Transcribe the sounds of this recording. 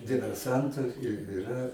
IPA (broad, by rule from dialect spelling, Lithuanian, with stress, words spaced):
dʲɪʋʲɛrˈsɐntʊ ɪr ɪˈrɐ